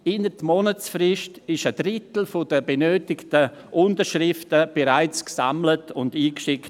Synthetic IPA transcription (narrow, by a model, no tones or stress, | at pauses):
ɪnətmɔnət͡sfrɪʃtɪʃədɾɪtl̩fodəbenøːtɪktəʔʊntəɾʃrɪftəb̥eɾaɪt͡sksa̰mlətʰʊndiːkʃɪkt